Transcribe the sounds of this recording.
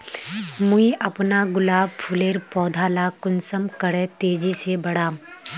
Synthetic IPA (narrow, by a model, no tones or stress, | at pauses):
mʊiʔɐpnaɡʊlaːb̚pʰʊleːɾpɔːd̪ʱaːlakʊnsəmkəɽẽt̪eːd͡ʒisebɐɽaː